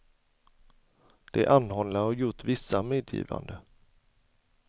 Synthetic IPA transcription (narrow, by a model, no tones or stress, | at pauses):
d̪̥ɛæʔanːhɔnlaɔjʊʈːvɪsːameːd̪jḭːva̰nd̪ə